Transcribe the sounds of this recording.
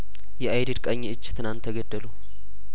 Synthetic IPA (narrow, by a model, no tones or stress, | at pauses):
jɛʔajdid̪kʼəɲːeɨt͡ʃːt̪ʰɨnant̪ʰːəɡəd̪ːəlu